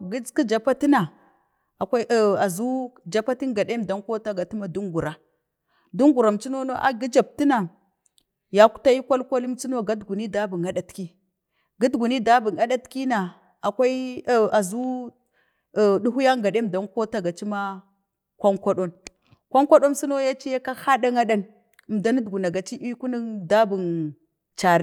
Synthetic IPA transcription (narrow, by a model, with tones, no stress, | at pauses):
ɡi˦ki˦d͡ʒa˨pa˦ti˦na˨ | a˨kʷa˦ʔa˨zu˦d͡ʒa˨pa˦ti˦ŋɡa˨ɗe˦mda˨˦nko˦ta˦ɡa˨ti˦ma˦du˦ŋɡu˨ɾa˨ | du˦ŋɡu˨ɾa˨mt͡ʃi˦no˦no˦ʔa̰˨ɡi˦d͡ʒa˨b̚ti˦na˨ | ja˦ku̥˦ta˦i˦kʷa˦lkʷa˦li˦mt͡si˦no˦ɡa˦dɡu˨ni˦da˦bu˨ŋɡa˨ɗa˨tki˦ | ɡa˦dɡu˨ni˦da˦bu˨ŋa˦ɗa˦tki˦na˨ | a˨kʷa˦i˦a˨zu˦˨ | ɗu˦ɦu˦ja˦ŋɡa˨ɗe˦˨m˨da˨n˦ko˦ta˦ɡa˨t͡ʃi˦ma˦ | kʷa˦ŋkʷa˦ɗo˦n | kʷa˦ŋkʷa˦ɗo˦nsi˦no˦ja˦t͡ʃi˦ja˦ka˦ha˦ɗa˦ŋa˦ɗa˦n˨ | mda˦ni˦dɡu˨na˨ɡa˨t͡ʃi˦ʔi˦ku˦ni˦da˦bu˨n | t͡ʃa˨ɾi˦